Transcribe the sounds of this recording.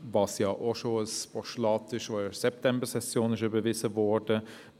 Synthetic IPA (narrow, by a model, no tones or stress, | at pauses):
vɑsjɑːʔoʃoːalspɔʃlɑːtɪʃoːsɛptʰɛmbəsɛsjoːnɪʃybəvɪzəvɔɹdə